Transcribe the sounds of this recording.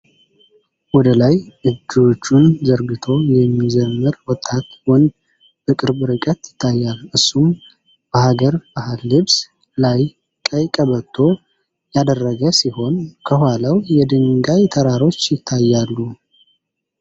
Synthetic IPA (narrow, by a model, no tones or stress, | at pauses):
wɔd̪əlajʔɨd͡ʒːot͡ʃːunzəɾɡɨt̪ʰo̞jɛmːizəmːɨɾwɔt̪ʼːat̪wɔnd̪ | b̥əkʼɨɾbɨɾɨkʼət̪jɪt̪ʰːajːalʔɨsːum | b̥əhaɡəɾbahɨlːɨβs | laj | kʼəjkʼəβət̪ʰːo̞ | jad̪ərːəɡəsiho̞nkʰəhaləwjɛd̪ɨŋɡajt̪ʰəɾaɾo̞t͡ʃːjɪt̪ʰːajːalːu